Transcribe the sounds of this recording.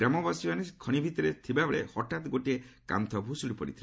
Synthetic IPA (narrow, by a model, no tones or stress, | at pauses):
ɾamɔbasuanekʰɔɽ̃ibʱit̪ɔɾet̪ʰibabeɭḛhɔʈat̪ɡoʈieka̰mt̪ʰɔbʱusuɽipɔɽḭt̪ʰil